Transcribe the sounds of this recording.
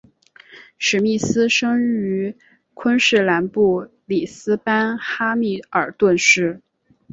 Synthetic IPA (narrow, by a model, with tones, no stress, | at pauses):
ʂɻ̩˧˥mi˥˩sɹ̩˥ʂɤ˥ŋy˧˥ | kʰwə˥nʂɻ̩˥˩la˧˥npu˥˩ | li˨˩sɹ̩˥pa˥nxa˥mi˥˩ə˞˨˩t̪wə˥˧nʂɻ̩˥˩